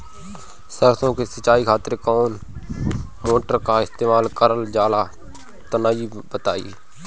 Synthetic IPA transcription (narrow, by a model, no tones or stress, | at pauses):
səɾsõkesət͡ʃaːikʰaːt̪ɾekɔːn | moːʈəɾkaɪst̪eːmaːlkəɾəld͡ʒaːla | t̪ənaːi | bət̪a̰ːḭ